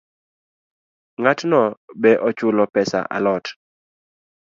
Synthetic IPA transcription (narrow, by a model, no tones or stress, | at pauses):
ŋatnɔbɛʔɔt͡ʃʊlɔpɛsa̰ʔa̰lɔt